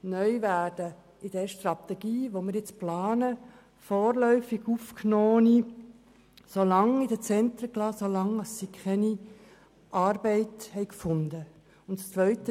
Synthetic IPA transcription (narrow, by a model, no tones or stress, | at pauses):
nœʏʋæːd̥ə | ɪd̥ɛɾʃtɾɑt̪ɛɡ̥iːʋomɪɾjɪt͡splɑːnə | fɔːɾlœʏfɪɡ̥ufknɔːni | solɑŋid̥ət͡sɛnt̪ɾəklɑːsolɑŋɑsːikʰχɛni | ʔɑːrbɛɪthɛɪkfʊnd̪ə | ʊntst͡sʋœʏtə